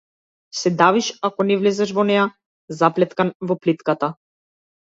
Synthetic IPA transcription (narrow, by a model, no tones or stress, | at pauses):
sɛd̪aviʃakɔnɛvlɛzɛʃvɔnɛja | zaplɛt̪kanvɔplit̪kat̪a